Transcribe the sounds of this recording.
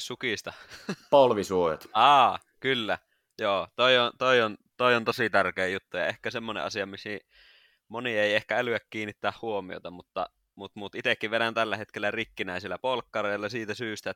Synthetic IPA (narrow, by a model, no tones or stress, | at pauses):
sukist̪ɑpolʋisuojɑ̰t̪ɑː | kylːæ | joːt̪oˑiont̪oˑiont̪oˑiont̪osit̪ærkeːjut̪ːujɑ̰ehkæsemːonḛʔɑ̰sijɑmisi | monieiehkæælyækkiːnːˑit̪ːæːhhuomio̰t̪ɑmut̪ːɑ̰ | mut̪mut̪ʔit̪ekːiʋʋenænt̪ælːæhet̪kelːærikːinæˑisilːæpolkːɑreˑilːɑsiːt̪æsyːst̪æ